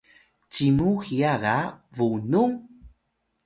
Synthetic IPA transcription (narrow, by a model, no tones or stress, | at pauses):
t͡ɕimuxijaɣavunuŋ